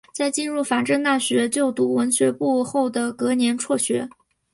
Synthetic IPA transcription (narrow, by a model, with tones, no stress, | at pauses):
t͡sa˥˧ɪt͡ɕi˥˧nɻu˥˩fa˨˩nʈ͡ʂə˥˧ŋt̪a˥˩ɕɥɛ˧˥t͡ɕjo˥˩ʊt̪u˧˥wə˧˥nɕɥɛ˧˥pu˥˧xo˥˩ʊd̪ə˩kɤ˧˥njɛ˧˥nʈ͡ʂʰwɔ˥˩ɕɥɛ˧˥